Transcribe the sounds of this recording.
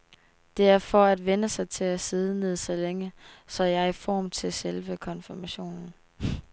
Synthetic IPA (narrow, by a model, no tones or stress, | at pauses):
d̥e̝æɐfɒ̽æd̥ʋenəsɑ̈ɪt͡sʰe̝læseð̞ˠəne̝ð̞ˠsɒ̽leŋəsɒ̽jɑɐifɒ̰ːmt͡sʰe̝lselʋəkʰɒ̽nfimæɕo̝̰ːnn̩